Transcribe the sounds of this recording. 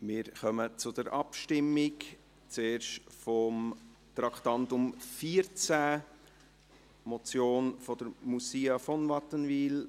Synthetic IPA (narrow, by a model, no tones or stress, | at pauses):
mɪːɾχœmət͡sʊd̥əɾʔɑpʃtɪmːɪk | t͡seːɾʃtfɔm | tɾɑkt̪ɑntʊmfiːəɾt͡sæ | mɔt͡sjoːnfɔd̥əɾmusiːɑfɔnvɑtənviːl